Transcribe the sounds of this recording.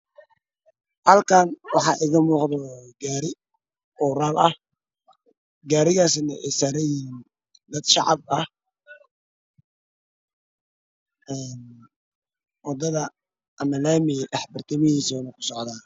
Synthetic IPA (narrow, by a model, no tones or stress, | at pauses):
hɐlkʰaːnwɑħɑːʔɪɣɐmuːqd̪ɔɡaːɾɪ | ɔːɾaːlʔɐh | ɡaːɾɪɣaːsnɐ̰ʔɛ̰saɾɛjin | d̪ɐd̪ʃɑ̰ʕɑ̰bɐh | ɛn | wɑd̪ɐðɐ | ʔɐmɐlaːmɪʔɛħbɐrt̪ʰɐmɐhiːsɔnɐkʰʊ̥sɔʕd̪aː